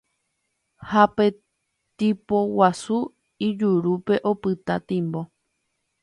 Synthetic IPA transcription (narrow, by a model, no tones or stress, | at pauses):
hape̞ | t̪ipo̞wasu | id͡ʒuɾupe̞ʔo̞pɨt̪at̪ĩmbo̞